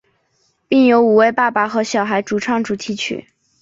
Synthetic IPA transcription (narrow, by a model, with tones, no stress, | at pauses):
pi˥˩ŋjo˧˥ʊu˨˩we˥˧ɪpa˥˩pa˨˩xɤ˧˥ɕjɑ˨˩ʊxa˧˥ɪʈ͡ʂu˨˩ʈ͡ʂʰɑ˥˩ŋʈ͡ʂu˨˩t̪ʰi˧˥t͡ɕʰy̰˥˩